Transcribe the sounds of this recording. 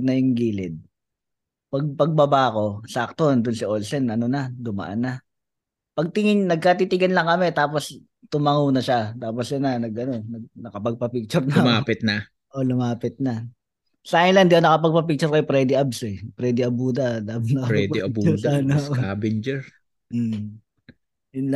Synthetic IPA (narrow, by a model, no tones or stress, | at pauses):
nɐjʊŋɡiːlɪd̪̚ | pɐɡ̚pɐɡ̚bɐbaːko̞sɐʔɐk̚t̪ond̪ʊnsɪʔolsɛnʔɐnonɐd̪ʊmɐ̰ʔa̰nːa | pɐɡ̚t̪ɪŋɪɲnɐɡ̚kat̪it̪ɪɡɐnlɐŋkɐmɛt̪aːpos | t̪ʊmɐŋuːnɐʃat̪aːposjʊnɐnɐɡʔɐnonɐɡ̚nɐkɐpɐɡ̚pɐpik̚t͡ʃʊɾnɐlmaːpɪt̪̚na | ʔolʊmaːpɪt̪̚nɐ | saːɪnland̪ɪkonɐkɐp̬ɐɡ̚pɐp̬ik̚t͡ʃʊɾkɐjopɾɛd̪ɪʔabsɛpɾɛːd̪ɪʔɐbuːd̪ɐlaːbnɐkɐɛd̪ɪɐbuʊsanasaːbɪnd͡ʒɛɾ̩ | jʊnla